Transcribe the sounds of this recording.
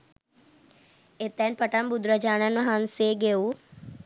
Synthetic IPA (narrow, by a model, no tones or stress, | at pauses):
et̪ɛnpəʈəmbʊd̪ɾad͡ʒaːnanaɦanseɡeu